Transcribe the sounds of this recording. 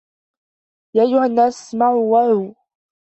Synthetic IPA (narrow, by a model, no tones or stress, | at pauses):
jaːʔajːʊhanːaːsmaʕuwaɾuː